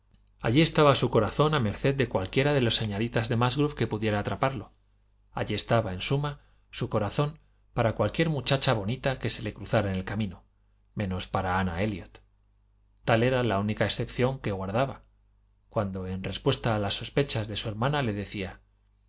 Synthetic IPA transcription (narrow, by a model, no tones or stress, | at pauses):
a̰ʎie̞st̪aβasuko̞ɾaθo̞name̞ɾθe̞ðd̪e̞kwalkje̞ɾaðe̞lo̞sːeɲalit̪azðe̞mazɣɾufke̞puðje̞ɾaːt̪ɾapaɾlo̞ | a̰ʎie̞st̪aβae̞nsuma | suko̞ɾaθo̞m | paɾakwalkje̞ɾmut͡ʃat͡ʃaβ̞o̞nit̪akese̞le̞kɾuθaɾaenelkamĩno | mẽ̞no̞spaɾaanae̞ljot̪ː | ale̞ɾalaunikaesθe̞pθjo̞ŋke̞ɣwaɾðaβa | kwand̪o̞e̞nre̞spwe̞st̪aːlasːo̞spe̞t͡ʃazðe̞sue̞ɾmãnale̞ðe̞θia